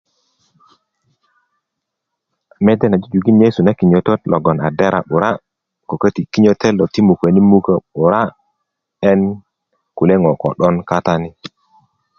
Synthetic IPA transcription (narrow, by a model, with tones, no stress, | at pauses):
me˦de˦na˨d͡ʒi˦d͡ʒu˨ɡi˦nje˦su˨na˦ki˨ɲo˨to˦tlɔ˨ɡɔ˨na˨de˦ɾʔa̰˨ɓu˨ɾa˦ | ko˨kə˦ti˨ki˦ɲo˦te˦lo˨ti˦mu˨kə˨ni˦mu˦kə˦ɓu˨ɾa˦ | ɛ˦n | ku˨le˦ŋɔ˨kɔ̰˨ɗɔ˦nka˦ta˦ni˦